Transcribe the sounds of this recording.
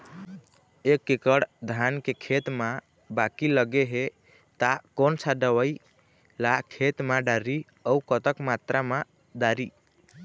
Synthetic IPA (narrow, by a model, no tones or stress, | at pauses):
ekːekəɽd̪ʱankekʰet̪ma | bakiləɡeɦe | t̪akonsʰaɖəwəi | lakʰet̪maɖaɾi | əukət̪əkmat̪ɾama | ɖaɾi